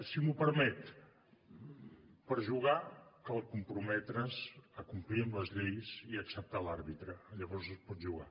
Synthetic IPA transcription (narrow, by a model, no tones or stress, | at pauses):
simupəɾmɛt̪ | pəɾʒuɣ̞akəlˠkumpɾumɛt̪ɾəzəkumpliəmləzʎejziəksəp̚t̪alaɾβit̪ɾəːʎəβɔrzəspɔd̪ʒuɣa